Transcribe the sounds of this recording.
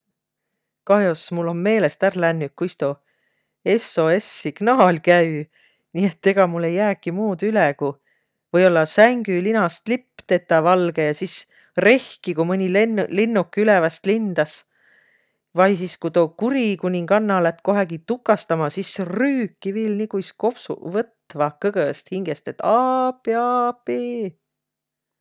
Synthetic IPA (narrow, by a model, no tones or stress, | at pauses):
kɑhjosmulːo̞nme̞ːle̞st̪ærlænːyk̚kːujst̪o | e̞so̞e̞sːiɡ̥nɑːlʲkæy | niːet̪ːe̞ɡ̥ɑmulːe̞jːæːkːimuːd̪̥yleku | vɤjo̞lːɑsæŋɡ̥ylinɑst̪lipːˑt̪e̞t̪ːˑɑvɑlɡ̥ejɑsis | re̞hkikumɤnʲilenlinːukːˑylɛvɑst̪lind̪̥ɑs | vɑjsiskut̪oːkuɾikunʲiŋɡ̥ɑnːɑlæt̪ːˑko̞ɦeɡ̥it̪ukːˑɑst̪ɑmɑsisryːkːiviːlnikujsko̞psṵvɤt̪ːvɑkɤɡ̥əst̪hiŋɡ̥est̪e̞t̪ːɑːpːˑiɑpːi